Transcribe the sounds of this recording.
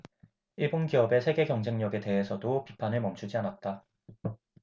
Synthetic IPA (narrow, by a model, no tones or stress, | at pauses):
iɭbonɡijʌbe̞sʰe̞ɡe̞ɡjʌŋd͡ʑe̞ŋɲʌɡe̞te̞ɦe̞sʰʌdopipʰanɯɭmʌmt͡ɕʰud͡ʑianat̚t͈a